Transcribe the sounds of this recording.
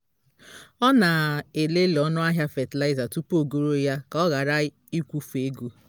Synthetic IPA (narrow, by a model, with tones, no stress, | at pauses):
ɔ˦na˨e˨le˦lɔ˦nʊ˦a˦ɦja˦fe˨ti˨la˦ɪ˦za˨tu˦po˨ɡo˦ɾo˦ja˦kɔ˦ɣa˨ɾa˦ | i˦kʷu˦fe˦ɡu˦